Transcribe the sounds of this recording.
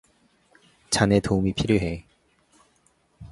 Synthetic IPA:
t͡ɕane̞toumipʰiɾjoɦe

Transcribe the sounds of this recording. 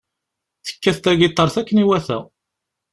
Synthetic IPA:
θə̥kːæθt̪æɡit̪ˤːɑɾˤθækːəniwæθæ̰

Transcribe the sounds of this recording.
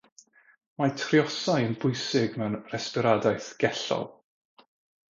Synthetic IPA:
matʰriɔsajənbʊjsɪɡmɛwnrɛspɪɾadajθɡ̥ɛɬɔ̰lˠ

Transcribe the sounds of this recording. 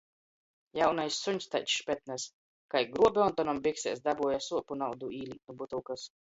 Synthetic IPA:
jawnajsːuɲʲst̪ajt̪ʃpʲɛt̪̚nas | kajɡɾuɔbʲeɔnt̪ɔnɔmbiksɛ̰ːsd̪abuɔjasuɔpunawd̪uiːlʲit̪nubut̪uwkas

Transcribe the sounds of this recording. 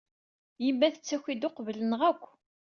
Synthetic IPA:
jəmːæθət͡sːæçid̪oqvələnʁækʷː

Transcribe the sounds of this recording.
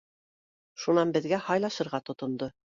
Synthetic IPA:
ʃunɑnbɘ̆ðɡæhɑjlˠɑʃɤ̆ɾʁɑt̪ŏt̪ŏnd̪o

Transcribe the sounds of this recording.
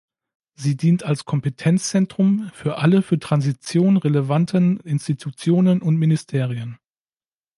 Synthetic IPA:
ziːdiːntalskʰɔmpətʰɛnt͡st͡sɛntʁ̥ʊmfyːɐʔaləfyːɐtʁ̥anzit͡sjoːnənʁeləvantʰənɪnstitʰut͡sjoːnənʊntmɪnistʰeːʁ̞iən

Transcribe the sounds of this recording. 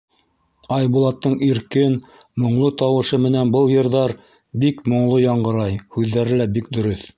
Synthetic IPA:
ɑjbulˠɑt̪ːɤɴiɾkɘn | mŏɴlˠɤt̪ɑwɤ̆ʃɤmɘ̆nænbɤlˠjɤ̆ɾðɑɾ | bikmŏɴlˠojɑɴɢɤ̆ɾɑjhʉðːæɾɘlæbik̚d̪ɵ̆ɾɵθ

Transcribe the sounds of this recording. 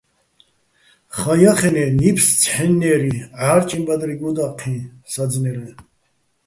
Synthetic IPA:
χajaχɛnɛnipʰst͡sʰħɛnːɛɾiaːɾt͡ʃʼimbad̪ɾiɡud̪aqʰĩnsad͡znɛɾɛ

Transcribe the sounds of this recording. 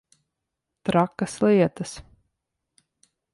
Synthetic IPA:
t̪ɾakːɐslˠiɛt̪ɐs

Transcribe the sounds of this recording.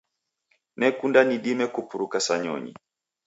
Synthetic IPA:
nɛkundaniɗimɛkupuɾukasaɲɔ̰ɲḭ

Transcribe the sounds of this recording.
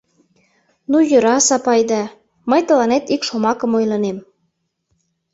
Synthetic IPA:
nujøɾɑsɑpɑjd̪ɑ | məjt̪ə̆lɑnet̪ikʃomɑkə̆mojlɤnem

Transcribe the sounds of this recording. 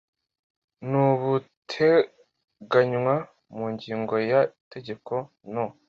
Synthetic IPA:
nuβutʰe | ɡaɲwa | muːɲɟiːŋɡo̞jate̞ɟe̞ko̞ | no

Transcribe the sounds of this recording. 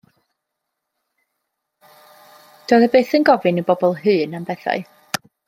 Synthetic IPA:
d̥oːðəbeːθənɡɔvɨnəbɔbɔlˠɦɨːnambɛθa̰ɨ

